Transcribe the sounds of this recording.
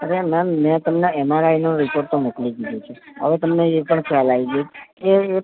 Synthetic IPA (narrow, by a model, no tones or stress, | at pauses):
əɾemɛmːɛ̃t̪əmneɛmaɾainõɾipoɾʈt̪omoklikid̪ũt͡ʃʰeɦə̰ʋet̪əmneepəɳkʰɛalaiɡeeː